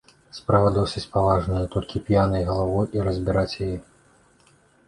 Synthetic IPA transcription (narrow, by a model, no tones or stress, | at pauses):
spɾavɐd̪ɔwsʲɐt͡sʲpavaʐnɐjɐt̪ɔlʲkʲipʲjanɐjɣɐlˠavɔjʔiɾɐzʲbʲiɾat͡sʲjajɛ